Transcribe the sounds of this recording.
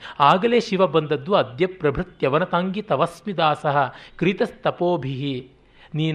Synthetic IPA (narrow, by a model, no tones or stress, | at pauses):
aːɡɐleːʃiʋɐbɐnd̪ɐd̪ːuɐd̪jɐpɾɐbʱɾɐt̪jɐʋɐnɐt̪aːŋɡit̪ɐʋɐsmid̪aːsɐɦɐ̆kɾit̪ɐst̪ɐpoːbʱiɦi | niːn